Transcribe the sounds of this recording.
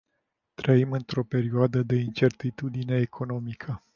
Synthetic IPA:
t̪ɾəimɨnt̪ɾo̞pe̞ɾioad̪əd̪e̞int͡ʃe̞rt̪it̪ud̪ine̞ːkʰo̞no̞mikʰə

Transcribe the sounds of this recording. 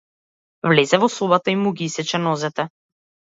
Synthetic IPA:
vlɛzɛvɔsɔbat̪aimuɡiisɛt͡ʃɛnɔzɛt̪ɛ

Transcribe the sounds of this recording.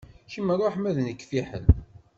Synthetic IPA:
çimərˤːoħmæðnəkːfiħə̰n

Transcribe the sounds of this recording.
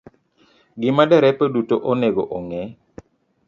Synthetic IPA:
ɡɪmadɛɾɛpədutoʔɔnɛɡɔʔɔŋɛ

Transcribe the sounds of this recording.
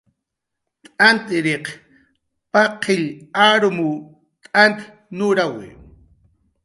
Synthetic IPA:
t̪ʼant̪ɪɾeq | paqʰːɪʎaɾmu | t̪ʼant̪ | nʊɾawɪ̰

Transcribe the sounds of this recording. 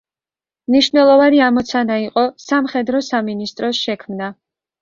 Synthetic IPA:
mniʃvnɛlˠɔvaniamɔt̪sʰanaiqʼɔsamχɛd̪ɾɔsaminist̪ʼɾɔsʃɛkʰmna

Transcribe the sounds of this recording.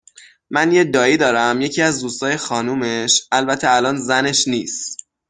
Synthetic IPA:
mænjed̪ɒːiːd̪ɒːɾæmje̞cʰiːæzd̪uːst̪ɒːjexɒːnuːme̞ʃʔælbæt̪ʰeælɒːnzæne̞ʃniːst̪

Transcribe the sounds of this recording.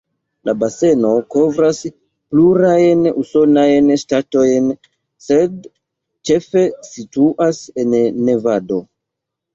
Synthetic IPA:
lʔabase̞no̞ko̞vɾas | pluɾajnuso̞najnʃtato̞jn | se̞d | t͡ʃe̞fe̞situʔase̞nːe̞vado̞

